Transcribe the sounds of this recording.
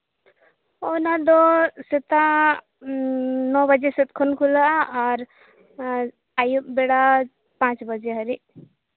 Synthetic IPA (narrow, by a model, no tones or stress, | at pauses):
ɔnad̪ɔsit̪a | nɔbəd͡ʒesɛt̪̚kʰɔnkʰulaaːɾ | ajubɛɽa | pãt͡ʃbəd͡ʒeɦəɾiʔ